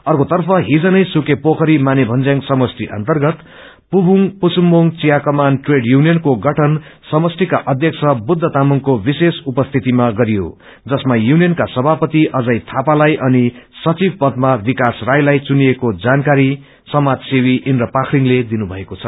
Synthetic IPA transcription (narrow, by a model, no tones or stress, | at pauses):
ʌrkot̪ʌrpʰʌɦid͡zʌnʌjsukepokʌɾimanebʱʌnd͡zjaŋsʌmʌsʈʰiʔʌ̰nt̪ʌrɡʌt̪ | pubʱuŋpusumːoŋt͡sijakʌmanʈreɖjunijʌnkoɡʌʈʰʌnsʌmʌsʈʰikaʔʌd̪ʱjʌksʰʌbud̪ʱːʌt̪amuŋkobisesupʌst̪ʰit̪imaɡʌɾijo̰ | d͡zʌsmajunijʌnkasʌbʱapʌt̪iʔʌd͡zajt̪ʰapalajʔʌnisʌt͡sib̚pʌd̪̚mabikasrajlajt͡sunijekod͡zankaɾi | sʌmad͡zsiwiʔinrʌpakʰriŋled̪inubʱʌekot͡sʰʌ